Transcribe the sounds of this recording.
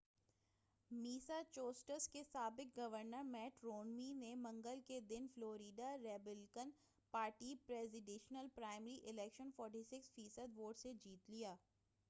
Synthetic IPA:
miːsat͡ʃoːsʈəɾskesaːbɪk̚ɡɐʋəɾnəɾmɛːʈɾoːnminemɐ̃ŋɡəlked̪ɪnfloːɾiːɖaɾɛːbɪlkən | paːɾʈipɾɛːzɪɖẽːʃnəlpɾaːɪmɾiʔɪlɛːkʃənfɔːɾʈisɪksfiːsəd̪ʋoːʈsed͡ʒiːt̪lijaː

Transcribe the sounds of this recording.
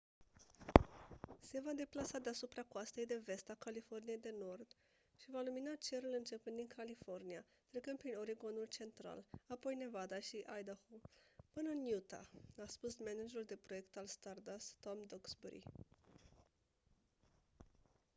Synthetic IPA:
se̞vad̪e̞plasad̪e̞asupɾakoast̪e̞jd̪e̞ve̞st̪akalifo̞rnije̞jd̪e̞no̞rd̪ | ʃivaluminat͡ʃe̞ɾulɨnt͡ʃe̞pund̪inkʰalifo̞rnia | t̪ɾe̞kɨnd̪̚pɾino̞ɾiɡo̞nult͡ʃe̞nt̪ɾa̰lapo̞jne̞vad̪aʃiʔajd̪ahupɨnənjut̪a̰aspusmenad͡ʒeɾuld̪e̞pɾo̞je̞kt̪alst̪ard̪ast̪omd̪oɡsbuɾḭ

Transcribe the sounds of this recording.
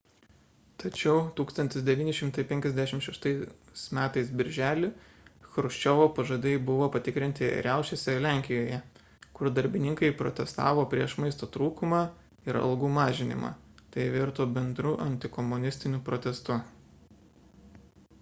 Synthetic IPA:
t̪ɐt͡ʃʲɛʊt̪uːkst̪ɐnʲt̪ʲɪsd̪ʲɛʋʲiːnʲɪʃʲɪmt̪ɐɪpʲɛŋʲkʲɛzd̪ʲæʃʲɪmʃʲɛʃt̪ɐɪsmʲæːt̪ɐɪsbʲɪɾʲʒʲæːlʲɪ | xɾʊʃʲt͡ʃʲɔʋoːpɐʒɐd̪ʲɛɪbʊʋoːpɐt̪ʲɪkɾʲɪnʲt̪ʲɪɾʲæˑʊʃʲesʲɛlʲæˑŋʲkʲɪjoːjɛ | kʊɾd̪ɐɾʲbʲɪnʲɪŋkɐɪpɾɔ̰t̪ʲɛst̪ɑ̰ːʋoːpʲɾʲiɛʃmɐɪst̪oːt̪ɾuːkʊmɑː | ɪɾɐ̰lˠɡuːmɑːʒʲɪnʲɪ̰mɑ̰ːt̪ɐɪʋʲɪɾt̪oːbʲɛnd̪ɾʊʔɐnʲt̪ʲɪkɔmʊnʲɪsʲt̪ʲɪnʲʊpɾɔt̪ʲɛst̪ʊ

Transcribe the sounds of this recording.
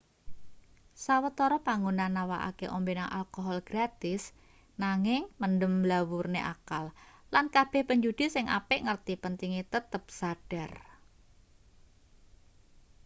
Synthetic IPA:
sawət̪ɔɾɔpaŋunanːawa̰ʔa̰keʔɔmbenaŋʔa̰lkoɦɔlɡ̥ɾat̪ɪs | naŋɪŋməndəmlawurneʔakallankab̥ɛhpəɲd͡ʒud̥i̤sɪŋʔa̰pɪʔŋərt̪ipənt̪iŋit̪ət̪əp̚saɖ̥ar

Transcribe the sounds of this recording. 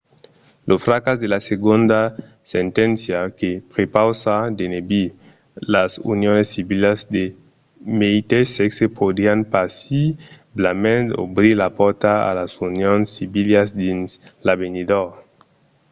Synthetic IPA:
lʔosfɾakazd̪elaseɡund̪a | sent̪ɛnsjakepɾepawsad̪enebi | lasṵnjonesːiβilazd̪e | meit̪eseksepʰod̪ɾianpasi | blamend̪o̰bɾiɾlapɔɾt̪aa̰lasunjonsːiβiljasd̪inslaβenid̪o

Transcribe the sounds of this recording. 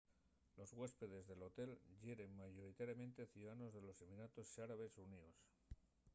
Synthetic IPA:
lozɣwe̞spe̞ð̞e̞zðe̞lo̞t̪e̞lʝeɾe̞mmaʝo̞ɾit̪aɾjamẽ̞nt̪e̞θjuðaano̞zðe̞lo̞se̞minat̪o̞saɾaβe̞sunios

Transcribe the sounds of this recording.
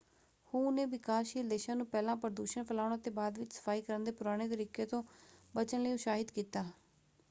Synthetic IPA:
hõːʊnẽːʋɪkaːʃiːld̪eːʃãːnũːpɛːlãːpəɾd̪uːʃəɳpʰəlaːʊɽ̃aːt̪eːbaːd̪ʋɪt͡ʃsə̥pʰaːiːkəɾənd̪eːpʊɾaːɽ̃eːt̪əɾiːkeːt̪õːbət͡ʃənləjõːʃaːɦɪd̪kiːt̪aː

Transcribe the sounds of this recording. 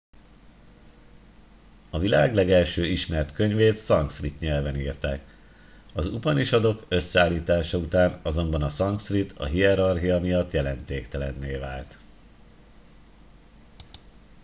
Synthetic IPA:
ɒvilaːɡlɛɡɛlʃøːiʃmɛrt̪kø̞ɲveːt̪sɒŋksrit̪ɲɛlvɛniːrt̪aːk | ɒzupɒniʃɒd̪o̞kø̞sːɛaːlːiːt̪aːʃɒut̪aːnɒzo̞mbɒnɒsɒŋksrit̪ʰɒ̰ɦiɛɾɒrɦijɒmijɒt̪ːjɛlɛnt̪eːkt̪ɛlɛnːeːvaːlt̪

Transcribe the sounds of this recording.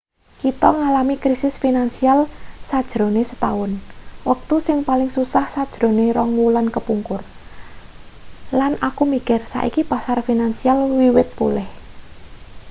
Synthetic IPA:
kit̪ɔŋalamikɾisɪsfinansialsad̥ʒ̥ɾo̤nesə̥t̪aʊnwək̚t̪usɪŋpalɪŋsusahsad̥ʒ̥ɾo̤neɾɔŋwulankəpuŋkʊr | lanʔakumikɪrsa̰ʔḭkipasarfinansialwiwɪt̪̚pṵlɪh

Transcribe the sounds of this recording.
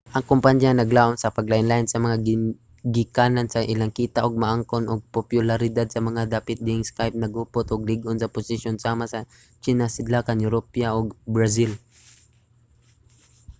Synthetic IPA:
ʔɐŋkʊmpaɲjanɐɡlaːʔonsɐpɐɡlaʔɪnlaːʔɪnsɐmɐŋaɡɪ | ɡɪkaːnansɐʔɪlaŋkiːt̪aʔoɡ̚mɐʔaŋkonoɡ̚popjʊlaɾɪd̪ad̪̚sɐmɐŋad̪aːpɪt̪̚d̪ɪɪŋskajp̚nɐɡʊpot̪ʔoɡ̚lɪɡʔonsɐpʊsɪʃjonsaːmasɐ | t͡ʃinasɪd̪lakanjʊɾopjaʔoɡbɾas̬ɪl

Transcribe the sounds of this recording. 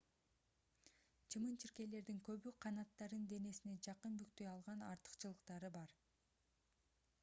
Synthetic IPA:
t͡ʃʰɯmɯnt͡ʃʰiɾke̞le̞ɾd̪iŋkø̞βyqʰɑnɑt̪ːɑɾɯnd̪e̞ne̞sine̞d͡ʒɑqɯnbykt̪øjɑlˠʁɑnɑ̰ɾt̪ɯ̥qt͡ʃɯlˠɯqt̪ɑɾɯbɑɾ

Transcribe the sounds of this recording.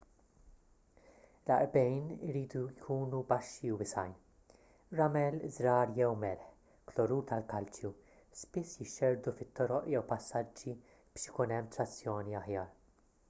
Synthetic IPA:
lɐ̰ʔbɛjnɪɾiːd̪ujkʰuːnubɐʃːiuwɪsɐjn | ɾɐmɛlzɾɐːɾjɛwmɛɾħ | klɔɾuːt̪ɐlkɐlt͡ʃju | spɪsːjɪʃːɛɾd̪ufɪt̪ːɔɾɔʔjɛwpɐsːɐd͡ʒːi | b̥ɪːʃjɪkunɛmːt̪ɾɐt͡sːjɔːniɐħjɐːɾ

